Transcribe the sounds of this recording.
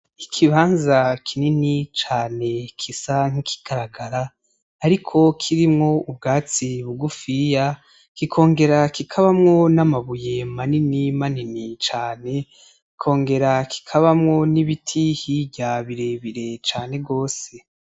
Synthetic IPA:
ikʰiβaːnzakʰininit͡ʃaːne̞kʰisaŋ̥hikʰi̥ɡ̥aɾaɡaɾaː | ɾikʰo̞kʰiɾimŋo̞ubɡaːt͡siβuɡufija | kikʰo̞ːŋɡe̞ɾakikʰaβamŋo̞namaβuje̞maninimaninit͡ʃaːne̞ | kikʰo̞ːŋɡe̞ɾakʰi̥kʰaβamŋo̞niβitʰihivɟaβiɾe̞βiɾe̞t͡ʃaːne̞ɡo̞ːse̞

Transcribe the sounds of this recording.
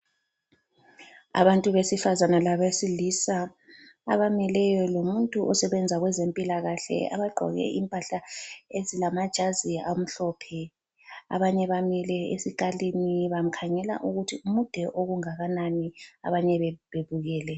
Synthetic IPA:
a̰βantʼuβesifazanalaβesilisa | a̰βamilɛjɔlomuntʼuʔɔsɛβɛnd͡zʱaɣwɛzempʼilaɣaɬɛ̰a̰βaɡ͡ǃʱɔ̰ɣɛ̰ʔimpʼaɬaezilamad̥ʒ̥ʱaziam̩ɬɔpʰɛ | a̰βaɲɛβamilɛesikaliniβam̩kʰaɲɛla̰ʔuɣutʰiumud̥ʱɛʔoɣuŋaɣanania̰βaɲɛββeβuɣɛːlɛ

